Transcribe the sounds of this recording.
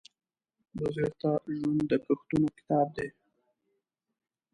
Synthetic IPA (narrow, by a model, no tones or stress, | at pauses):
bʊzɪɾt̪aʒwand̪əpəxt̪unokɪ̥t̪ɑb̚d̪e